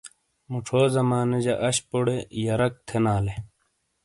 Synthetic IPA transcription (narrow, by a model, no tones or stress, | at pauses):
muʈ͡ʂʰoːzɐmaːned͡ʑɐʔɐɕpoɽejɐɾɐk̚t̪ʰenaːle